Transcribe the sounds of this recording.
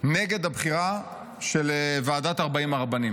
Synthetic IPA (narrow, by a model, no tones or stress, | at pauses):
neɡe̞d̪habχiʁa | ʃelvaːdataʁbaimaʁbanim